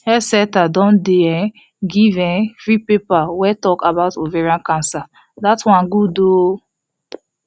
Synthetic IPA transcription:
hɛsɛtadɔ̃ndeɛ̃ | ɡivɛ̃nfɹipepawɛtɔkabaʊtoveɹiãnkãnsa | datwãnɡudo

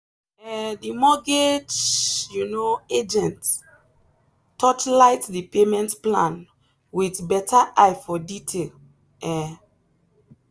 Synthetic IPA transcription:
ɛdimɔɡed͡ʒjunoed͡ʒɛ̃nt | tɔt͡ʃlaɪtdipemɛ̃ntplãn | witbɛtaʔajfɔditʰel | ɛ

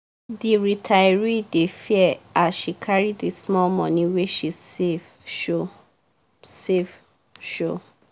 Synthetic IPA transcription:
diɹitʰaɪɹidefiɛasʃikʰaɹidismɔlmɔ̃nĩweʃisev | ʃo | sev | ʃo

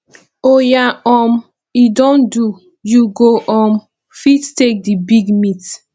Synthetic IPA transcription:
ojaɔm | idõndu | juɡoʔɔm | fittek̚dibiɡmit

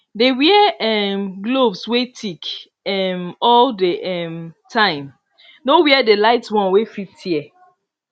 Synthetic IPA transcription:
dewiɛɛmɡlobswetʰik | ɛmɔldəʔɛmtʰãɪ̃m | nowiɛdelaɪtswɔ̃nwefitʰiɛ

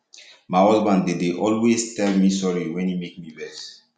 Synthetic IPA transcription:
maɪɔzbãndedeʔɔlwestɛlmisɔɹiwɛ̃nimek̚mibɛs

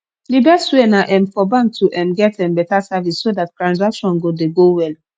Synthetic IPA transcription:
libɛswenaʔɛ̃nfɔbãn̚tʰuʔɛ̃nɡɛtɛ̃nbɛtasavisːodat̚kɹãnzakʃɔ̃nɡodeɡowɛl

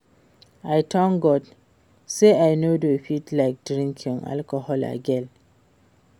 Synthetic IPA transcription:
ajtʰɔ̃ŋɡɔd | seajnodofitlaɪk̚dɾĩŋkʰĩŋa̰lkɔhɔla̰ɡɛl

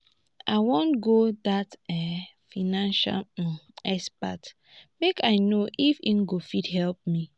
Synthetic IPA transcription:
aɪwõntɡodatɛfinãnʃa̰lɛspa̰t | mekaɪnoʔifĩnɡofidhɛlp̚mi

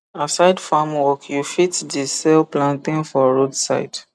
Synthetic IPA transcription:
asaɪdfamwɔkjufitdisɛlplãntĩnfɔɹodsa̰ɪt

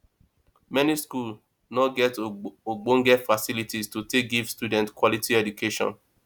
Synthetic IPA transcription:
mɛniskul | nɔɡɛtoɡ͡bõŋɡɛfasilitistutek̚ɡivstjudɛ̃ntkwɔlitiɛdukʰeʃɔ̰̃n

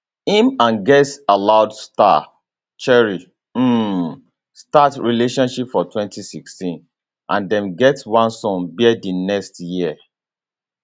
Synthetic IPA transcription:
ĩmãnɡɛtalaʊdsta̰ | t͡ʃɛɹi | m̩ | statɹileʃɔ̃nʃipfɔtwɛ̃ntisikstĩn | ʔãndɛ̃mɡɛtwãnsɔ̃nbidinɛkstjiə

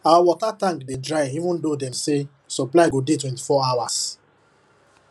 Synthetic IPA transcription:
awawɔtatãŋkdedɹaɪivũndodɛmse | sɔplaɪɡodetwɛ̃nti̥fɔawas

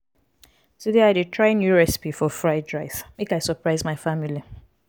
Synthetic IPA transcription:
tudeaɪdutʰɹaɪnjuɹɛsi̥pifɔfɹaɪdɹaɪsmekaɪsəpɹaɪzmaɪfamili

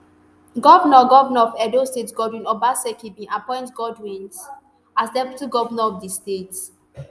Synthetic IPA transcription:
ɡɔvnɔɡɔvnɔɔfɛdostetɡɔdwĩnɔbasɛkibĩʔapɔ̃ɪ̃ntɡɔdwĩns | asdɛvituɡɔvənɔɔfdistet

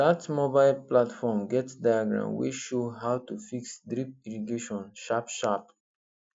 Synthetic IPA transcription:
datmobaɪlplatfɔmɡɛtsdajaɡɹã̰ʊnwḛʃoɦawtufiksdɾip̚iɹiɡeʃɔ̃nʃapʃap

